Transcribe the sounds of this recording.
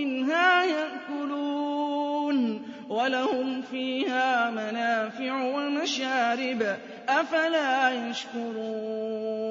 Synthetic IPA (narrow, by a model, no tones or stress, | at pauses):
ɪnɦaːjaʔkʊluː | n | walahʊmfiːhaːmanaːfɪʕwamaʃaːɾɪb | ʔafalaːjaʃkʊɾˤuː